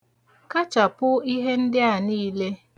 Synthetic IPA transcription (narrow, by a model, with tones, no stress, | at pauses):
ka˦t͡ʃa˨pʊ˦i˦ɦe˦n̩˦dɪ˦a˨niː˦le˦